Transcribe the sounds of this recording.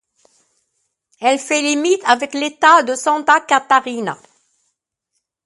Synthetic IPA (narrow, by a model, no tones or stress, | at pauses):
ɛlfɛlimit̪avɛklet̪ad̪əsɑ̃t̪akat̪aʁina̰